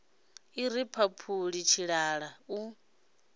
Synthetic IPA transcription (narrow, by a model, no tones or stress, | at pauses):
iɾipʰapʰuɺit͡ʃʰiɺaɺau